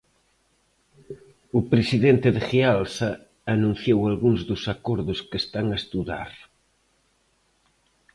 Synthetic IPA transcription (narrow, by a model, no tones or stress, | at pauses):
ʊpɾesiðent̪ɪðɪxealsɐː | nũn̟θjowalɣuŋzðʊsakɔɾðʊskest̪aŋaest̪uða̰ɾ